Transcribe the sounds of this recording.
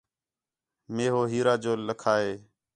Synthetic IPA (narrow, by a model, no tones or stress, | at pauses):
meːɦoːɦiːɾaːd͡ʒoːləkʰaːɦeː